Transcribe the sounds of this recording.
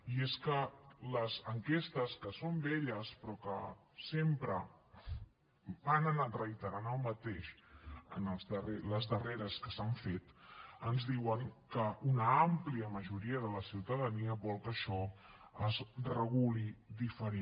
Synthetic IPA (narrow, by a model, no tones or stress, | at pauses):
ieskələzəŋkest̪əskəsombeʎəspɾɔkə̰ | sempɾə | banənarəjt̪əɾanəlˠmət̪eʃə̰nəlˠzðəreləzðəreɾəskəsaɱfet̪ənzðiwəŋkəʔunəampliəməʒuɾiəðələsiwt̪əðəniəβɔlˠkəʃɔəzrəɣulid̪ifəɾe